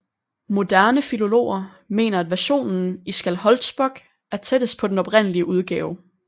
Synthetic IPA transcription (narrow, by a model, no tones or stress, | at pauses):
mo̝d̥æɐnəfilo̝lo̝̰ːɐ | me̝̰ːnɐæd̥ʋæɐɕo̝̰ːnn̩isɡ̥ælhɒ̽ld̥sb̥ɒ̽ɡ̥ | æɐt͡sʰed̥əspʰɒ̽d̥enɒ̽b̥ʁen̰əliəʔuð̞ˠɡ̥ɛːʊ